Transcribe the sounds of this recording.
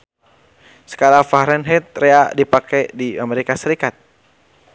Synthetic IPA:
sə̥kaɾafaɾɛnɦɛt̪̚ɾeadipakajdiameɾikasəɾikat̪̚

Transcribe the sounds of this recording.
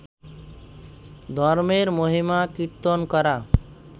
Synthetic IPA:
d̪ʱɔɾmeɾmoɦimakiɾt̪onkɔɾa

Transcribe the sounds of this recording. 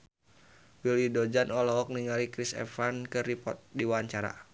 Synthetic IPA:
wilidɔd͡ʒanʔɔlɔɦɔk̚niŋalikɾisɛ̰fankɨripɔ̰t̪̚diwaɲt͡ʃaɾa̰

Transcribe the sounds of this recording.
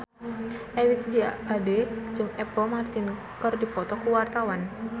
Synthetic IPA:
ʔɛwisd͡ʒiaded͡ʒəmɛpɔmart̪ɪn | kərdipɔt̪ɔkuwart̪awan

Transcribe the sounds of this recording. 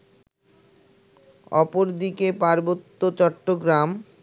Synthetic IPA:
ɔ̰poɾd̪ikepaɾbot̪ːot͡ɕɔʈːoɡɾam

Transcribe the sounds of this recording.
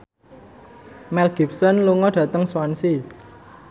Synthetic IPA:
mɛlɡ̥i̤p̚sənluŋɔɖ̥ä̤t̪əŋswansi

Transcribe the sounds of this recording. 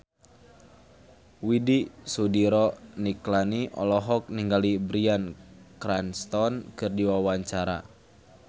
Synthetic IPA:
widisudiɾɔniklaniʔɔ̰lɔɦɔk̚niŋɡalibɾiankɾanst̪ɔnkɨrdiwawaɲt͡ʃaɾa̰

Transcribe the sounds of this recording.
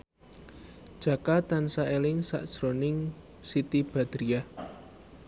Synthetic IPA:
ʒ̥ä̤kat̪ansaʔelɪŋsa̰ʔd̥ʒ̥ɾonɪŋ | sit̪ib̥ä̤d̪̥ɾiah

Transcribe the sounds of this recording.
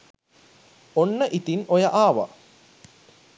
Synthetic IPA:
onːəʔit̪inojɐʔaːʋɐ̰

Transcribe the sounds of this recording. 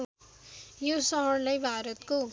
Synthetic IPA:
josʌɦʌɽlʌjbʱaɾʌt̪ko

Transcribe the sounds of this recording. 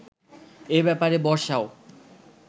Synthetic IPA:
ebɛpaɾebɔɾʃao

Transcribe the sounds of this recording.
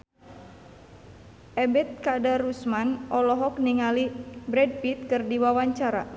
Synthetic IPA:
ʔɛbɛt̪̚kadaɾusmanɔlɔɦɔk̚niŋalibɾɛd̚pit̪̚kɨrdiwawaɲt͡ʃaɾa̰

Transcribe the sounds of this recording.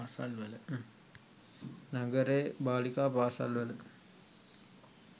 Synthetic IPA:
aːsalʋɐlə | naɡəɾebaːlikaːpaːsa̰lʋɐlə

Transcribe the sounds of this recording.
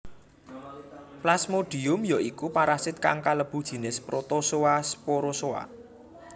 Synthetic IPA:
plasmoɖ̥i̤ʊmjɔʔikupaɾasɪt̪̚ka̰ŋkaləb̥ṳd̥ʒ̥i̤nɪspɾot̪osowaspoɾosowa̰

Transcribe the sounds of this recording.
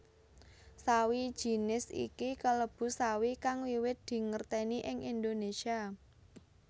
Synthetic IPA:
sawid̥ʒ̥i̤nɪsḭkikələb̥ṳsawikaŋwiwɪt̪̚d̪̥i̤ŋərt̪eniʔɪŋind̪onesia

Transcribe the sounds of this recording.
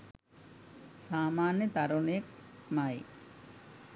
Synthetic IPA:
saːmaːnjət̪ɐɾuɳejək̚maj

